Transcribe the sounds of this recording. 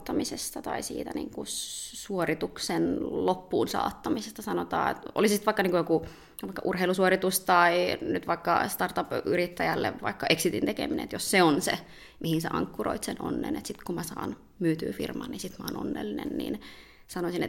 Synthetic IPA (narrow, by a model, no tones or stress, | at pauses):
t̪ːɑmisest̪ɑt̪ɑisḭːt̪ænḭːŋkusuorit̪uksenlopːuːnsɑ̰ːt̪ːɑmisest̪ɑsɑnot̪ɑ̰ːḛt̪o̰lissit̪ʋɑikːɑniːŋkujoku | ʋɑikːɑʔurheilusuorit̪ust̪ɑinyt̪ʋɑikːɑ̰st̪ɑrt̪ɑpyrit̪ːæjælːḛʋʋɑikːɑʔeksit̪int̪ekḛminḛnːḛt̪josseonse | mʔihinseʔɑŋkːuroit̪seno̰nːḛnet̪sit̪kumæsɑ̰ːn | myːt̪y̰ːfḭrmɑnisit̪mɑːno̰nːḛlːinḛnnḭn | sɑnosinḛt̪